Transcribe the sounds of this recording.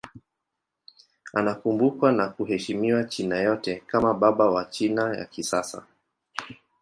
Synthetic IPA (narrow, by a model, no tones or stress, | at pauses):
anakumbukwanakuɦɛʃimiwat͡ʃinajɔtɛkamaɓaɓawat͡ʃinaja̰kisasa̰